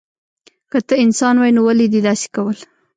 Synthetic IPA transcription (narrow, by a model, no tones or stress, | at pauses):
kət̪əɪnsɑnwɑjnowaled̪id̪ɑse̥kawəl